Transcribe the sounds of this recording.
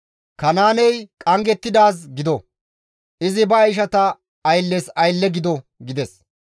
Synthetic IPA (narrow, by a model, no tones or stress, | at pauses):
kɐnaːnɛjkʼɐŋɡɛt̪ːɪd̪aːs̬ɡɪd̪ɔ | ʔɪzɪbɐːjʃ̬ɐt̪ɐː | jlːɛsɐjlːɛɡɪd̪ɔɡɪd̪ɛs